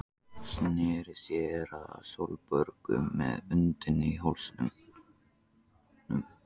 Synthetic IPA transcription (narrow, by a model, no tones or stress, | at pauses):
snɪɾɪsjɛɾasɔlpœɾkʏmɛ̰ðʏnt̪ɪniɦolsnʏm | m